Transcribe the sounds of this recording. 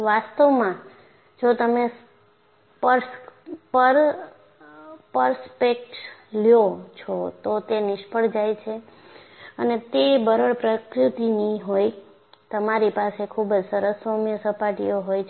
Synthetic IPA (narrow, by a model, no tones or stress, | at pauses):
ʋast̪əʋmã | d͡ʒot̪əme | pəɾspəɾ | pəɾspek̚ʈljot͡ʃʰɔt̪ot̪enɪʃpəɽd͡ʒajt͡ʃʰe | ənet̪ebəɾəɭpɾəkɾɪt̪iniɦoj | t̪əmaɾipasekʰubd͡ʒsəɾəsːomjəsəpaʈḭjoɦojʰ